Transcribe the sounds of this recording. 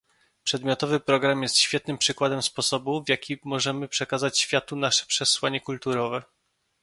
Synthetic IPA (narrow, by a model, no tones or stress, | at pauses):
pʂɛd̪mʲjɔt̪ɔvɘpɾɔɡɾamjɛst̪ɕfʲɛt̪nɘmpʂɘkwad̪ɛmspɔsɔbuvjakʲimɔʐɛmɘpʂɛkazat͡ɕɕfʲjat̪unaʂɛ̥pʂɛswaɲɛkult̪uɾɔvɛ